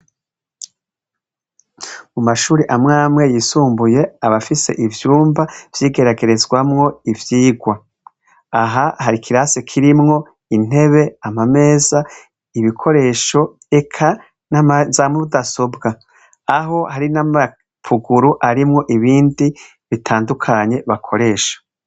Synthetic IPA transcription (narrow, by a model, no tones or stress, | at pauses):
mumaʃuːɾiʔamŋaːmŋe̞jiːsuːmbuje̞aβafise̞̰ʔivjuːmbav̥jiːɡe̞ɾaɡe̞ɾe̞zɡwamŋo̞ivjiːɡwa | aɦahaɾikʰiɾasekʰiɾimŋo̞ | in̥e̞βe̞amame̞ːza | iβikʰo̞ɾe̞ʃo̞ | e̞kʰa | nazamuɾudaso̞bɡaː | ɦo̞haɾinama | pʰuɡuɾuʔaɾimŋo̞ʔiβiːndi | βitʰaːndukʰaɲe̞βakʰo̞ɾe̞ːʃḁ